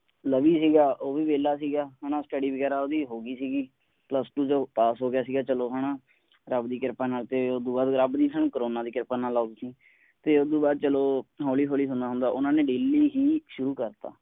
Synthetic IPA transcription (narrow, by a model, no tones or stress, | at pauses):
ləʋiːsiːɡaːʔoːʋiːʋeːlaːsiːɡaːɦañãːsʈəɖiːʋəɡɛːɾaːoːd̪iːɦoːɡiːsiːɡiː | pləsʈuːd͡ʒoːpaːsɦoːɡɪjaːsiːɡaːt͡ʃəloːɦaːnãː | ɾəbd̪iːkɪɾpaːnaːlt̪eːod̪uːbaːd̪ɾəbd̪iːsaːnũːkəɾoːnãːd̪iːkɪɾpaːnaːlaːd̪isiː | t̪eːod̪iːbaːd̪̚t͡ʃəloːɦoːliːɦoːliːsʊ̃nd̪aːɦʊ̃nd̪aːʔʊnãːneːɖeːliːɦiːʃʊɾuːkəɾt̪a̰ː